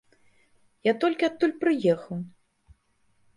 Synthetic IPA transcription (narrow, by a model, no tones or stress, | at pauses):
jat̪ɔlʲkʲiat̪ːulʲpɾɨjɛxɐw